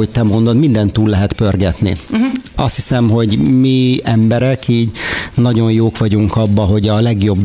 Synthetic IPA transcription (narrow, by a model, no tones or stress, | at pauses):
oc̚t̪ɛmo̞nd̪o̞d̪mind̪ɛnt̪uːlːɛɦɛt̪pø̞rɡɛt̪nḭɒst̪hisɛmɦo̞ɟmiɛmbɛɾɛkiːɟnɒɟo̞njoːkʋɒɟuŋkɒbːɒɦo̞ɟɒlɛɡjo̞b